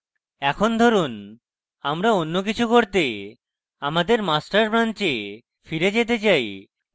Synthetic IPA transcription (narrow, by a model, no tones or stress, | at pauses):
ɛkʰond̪ʱoɾun | amɾaonːokit͡ɕʰukoɾt̪e | amad̪eɾmasʈaɾpɾant͡ɕe | fiɾed͡ʑet̪̬et͡ɕaj